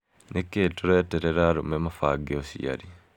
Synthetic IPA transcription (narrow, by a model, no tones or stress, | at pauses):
nekeːtoɾɛtɛɾɛɾaɾomɛmafaɡeosḭa̰ɾi